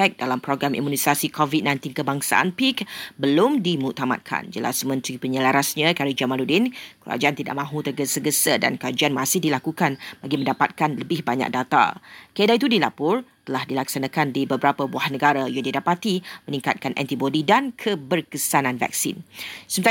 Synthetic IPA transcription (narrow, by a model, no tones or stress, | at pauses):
ɛk̚dalampɾoɡɾamʔḭmunisasikʰovit̪̚nãjnt̪inkəbaŋsa̰ʔa̰npikbəlʊmdimut̪ama̰t̪̚kʰa̰nd͡ʒəla̰smə̃nt̪ɾipəɲəlaɾasɲãkaɾid͡ʒamaludɪnkəɾa̰d͡ʒaant̪ida̰ʔmãɦũt̪ərɡəsəɡəsəda̰nkəɾad͡ʒaanmasɪhdilakukanbaɡimə̃ndapat̪̚kanləbɪhbaɲa̰k̚dat̪a̰kəedait̪udilapʊrt̪əlahdilaksanãkandibəbəɾapəbuahnəɡaɾajaŋdidapat̪imənĩŋkat̪̚kanʔɛ̰nt̪ibodidankʰəbərkəsanãnva̰k̚sḭnsəmət̪